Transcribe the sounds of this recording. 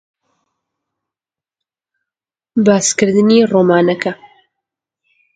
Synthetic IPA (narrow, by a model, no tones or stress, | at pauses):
baːskɨɾd̪ɨniroːmaːnɐkʰɐ